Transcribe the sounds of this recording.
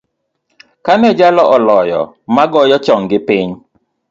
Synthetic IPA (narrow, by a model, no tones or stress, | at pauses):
kanɛd͡ʒalɔʔɔlɔjɔ̰ | maɡɔjɔt͡ʃɔŋɡɪpɪɲ